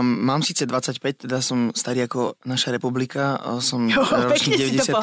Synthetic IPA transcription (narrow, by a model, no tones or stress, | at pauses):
maːmsiːt͡sɛd̪ʋat͡sːacpɛc̚t̪ɛd̪asɔmst̪aɾiːakɔnaʃaɾɛpublikasɔmɾɔt͡ʃniɟɛʋɛɟɛsɪa